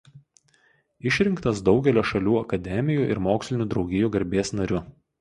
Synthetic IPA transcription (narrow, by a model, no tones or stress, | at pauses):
ɪʃʲɾʲɪŋkt̪ɐsd̪ɒʊɡʲɛlʲoːʃɐlʲuːɐkɐd̪ʲɛmʲɪjuːˑʔɪ̰ɾmoːksʲlʲɪnʲuːd̪ɾɒʊɡʲɪjuːɡɐɾʲbʲeɛsnɐɾʲʊ